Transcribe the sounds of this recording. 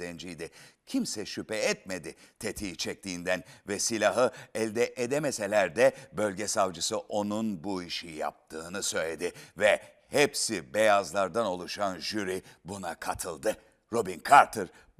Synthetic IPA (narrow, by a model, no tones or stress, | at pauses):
ɛnd͡ʒijd̪ɪcʰimsɛʃypɛɛt̪̚me̞d̪ɪt̪ʰet̪ʰiːt͡ʃʰɛc̚t̪ʰiːnd̪ænvɛsilʲaɦɯɛlʲd̪ɛʔed̪emese̞lʲæɾd̪ɛbø̞lʲɟɛsavd͡ʒɯsɯʔo̞nunbuiʃija̰p̚t̪ʰɯːnɯsø̞jlʲe̞d̪ɪvɛ | hɛpsibejazlˠaɾd̪ano̞lˠuʃanʒyɾibunakʰat̪ʰɯlˠd̪ɯ | ɾo̞binkʰaɾt̪ʰɯɾ